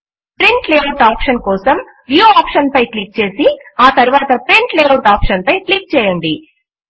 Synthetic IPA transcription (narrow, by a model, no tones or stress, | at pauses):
pɾeɳʈleːɐɾʈaːpʂɐnkɔːsɐm | ʋjoaːpʂɐnpɐjklik̚t͡ʃe̞ːsiaːt̪ɐɾuʋaːt̪ɐpɾiɳʈleːɐɾʈaːpʂɐnpɐjklik̚t͡ʃɛːjɐɳɖi